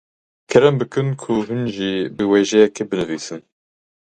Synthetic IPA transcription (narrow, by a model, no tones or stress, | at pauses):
kʰɛɾɛmbɨkɨnkʰuɦɨnʒibɨweːʒɛjɛkɛbɨnɨviːsɨn